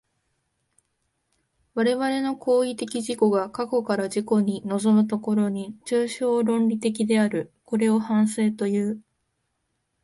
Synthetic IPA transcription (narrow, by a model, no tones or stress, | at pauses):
βaɾe̞βaɾe̞no̞kʰo̞ːit̪e̞kʲiʑiko̞ɡakako̞kaɾaʑiko̞ɲ̟ino̞zo̞mɯ̟t̪o̞ko̞ɾo̞ɲ̟it͡ɕɨːɕo̞ːɾõ̞nɾʲit̪e̞k̬ʲid̪e̞aɾɯ̟ko̞ɾe̞o̞hãɰ̃seːt̪o̞jɯː